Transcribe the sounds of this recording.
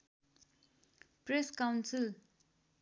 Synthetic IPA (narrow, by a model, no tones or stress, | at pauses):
pɾeskawnsil